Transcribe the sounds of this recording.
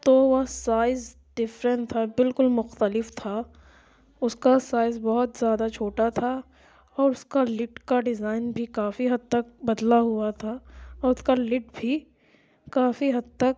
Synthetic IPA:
t̪oʋɐɦsaːɪz | ɖ̥ɪfɾə̃nʈt̪ʰabɪlkʊlmʊxt̪əlɪft̪ʰa | ʊskasaːɪzbɔɦʊt̪zjaːd̪at͡ʃʰoːʈat̪ʰa | ɔːɾʊskalɪʈkaɖɪzaːɪnbʱikaːfiɦɐd̪̚t̪ɐk̚bɐd̪laɦʊat̪ʰaɔːɾʊskalɪʈbʱi | kaːfiɦɐd̪̚t̪ɐk̚

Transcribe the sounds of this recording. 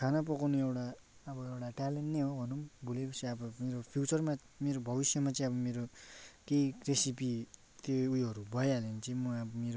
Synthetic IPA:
kʰanʌp̬ʌkawnuewʈa | ʌbʌewʈaʈaleɳʈneɦobʱʌnumbʱulepʌsʰiʌbʌmeɾopʰjut͡sʌrma | meɾobʱʌbisjʌmat͡sʌãĩʌbʌmeɾokeiresipi | t̪oujɦʌɾubʱʌealent͡sʌ̃ĩmʌabʌmeɾo

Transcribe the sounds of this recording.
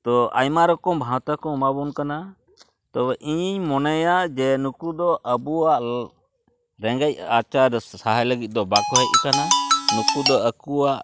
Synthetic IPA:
t̪ɔa̰jmaɾɔkɔmbʱãwt̪akɔmabɔnkana | t̪ɔʔiɲiɲmɔnajaʔd͡ʒɛnukud̪ɔʔəbuwaʔ | ɾɛŋɡac̚at͡ʃaɾsaɦajləɡit̪̚d̪ɔbak̚ʰbʱaʔ̪̚kananukud̪ɔəkuwaʔ

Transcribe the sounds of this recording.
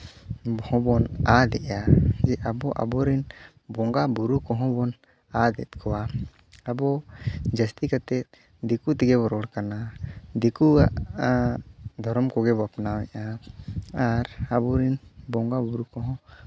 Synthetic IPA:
bɔhɔ̃bɔnad̪ɛʔjad͡ʒɛʔabɔʔa̰bɔɾin | bɔŋɡabuɾukɔɦɔ̃bɔn | ad̪ɛ̰t̪̚kʰɔwa | abɔd͡ʒəst̪ikat̪ɛt̪̚ | d̪ikut̪iɡɛbɔɾɔɽkanad̪ikua̰ʔ | d̪ʱɔɾɔmkɔɡɛbapnawɛ̰ʔa | aɾabɔɾinbɔŋɡabuɾukɔɦɔ̃

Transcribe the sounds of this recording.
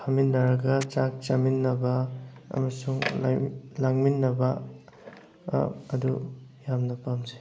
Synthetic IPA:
pʰaminːɐɾɐɡɐt͡ʃak̚t͡ʃaminːɐbɐɐ̰mɐsuŋl̰laŋminːɐbɐ | ɐdujamnɐpamze̥

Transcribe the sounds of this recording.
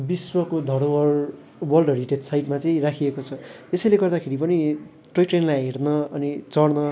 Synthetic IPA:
biswʌkod̪ʱʌɽowʌr | wʌlɖʱʌɽiʈetsajʈmat͡sʌĩrakʰiekot͡sʰʌ | esʌjleɡʌrd̪akʰeɾipʌni | ʈrojʈrenlajɦernʌʌnit͡sʌɽnʌ

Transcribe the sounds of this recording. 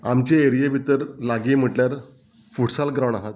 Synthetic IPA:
amt͡ɕeeɾijebʱit̪əɾlaɡiːm̤əʈljaɾ | fuʈsalɡɾaw̃ɳaɦat̪̚

